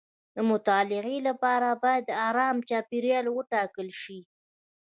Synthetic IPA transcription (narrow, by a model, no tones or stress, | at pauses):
d̪əmʊt̪ɑlɪɣelapɑɾabɑjad̪ːəɑɾɑmt͡ʃɑpiɾjɑlwəʈɑkəlʃi